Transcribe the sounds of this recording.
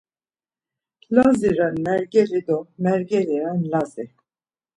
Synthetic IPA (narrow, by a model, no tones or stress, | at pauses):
laziɾɛnmɛɾɡɛɾid̪ɔmɛɾɡɛɾiɾɛnlazi